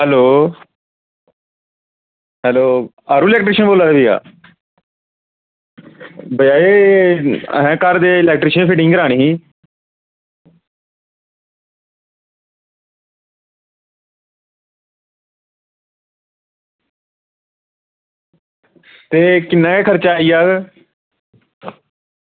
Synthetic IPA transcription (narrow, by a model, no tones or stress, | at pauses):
ɦɛloː | ɦɛːloː | aːɾuːlɛːkʈɾɪːʃənboːlaːɾeːbiːa̰ː | bəjaːḛː | ɦɛ̃ːkəɾd̪eːlɛːk̚ʈɾɪːʃənpʰɪʈɪ̃ŋɡəɾaːɽ̃iːɦiː | t̪eːkɪnːãːkeːkʰəɾt͡ʃaːiːaː